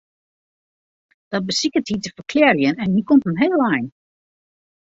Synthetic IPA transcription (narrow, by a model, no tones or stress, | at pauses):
d̥ɔt̚bəsikəthitəfəkʰlɛrjənɛnhikomtəmɦeːlˠɛjn